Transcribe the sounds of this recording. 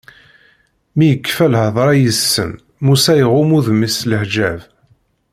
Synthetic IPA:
mijəkːfælhəðˤɾˤɑjəsːə̰n | musæjʁʊmuðmisləħd͡ʒæv

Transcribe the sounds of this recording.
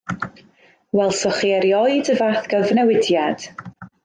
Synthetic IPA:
wɛlˠsɔχiɛɾjɔɨdəvaθɡ̥əvnɛwɪdjad̥

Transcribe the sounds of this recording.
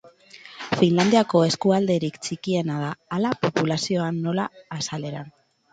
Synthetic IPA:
finland̪iako̞e̞skuald̪e̞ɾikt͡sikie̞nað̞aːlapopulasio̞anːo̞laːsale̞ɾa

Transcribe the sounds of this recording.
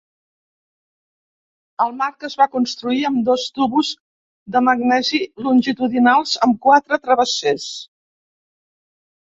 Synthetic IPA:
əlˠmaɾkəzβakunst̪ɾuiəmd̪ost̪uβuz | ðəməɡnɛzilunʲʒit̪uðinalˠzəmkwat̪ɾət̪ɾəβəses

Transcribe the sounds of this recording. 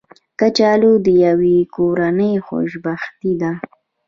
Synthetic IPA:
kat͡ʃɑlod̪əjawekoɾanəjxo̰ʃbaxt̪id̪a

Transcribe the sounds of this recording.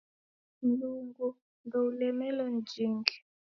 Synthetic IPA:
nduːŋɡu | ndʱoulɛmɛlɔnd͡ʒʱiːŋkɛ̥

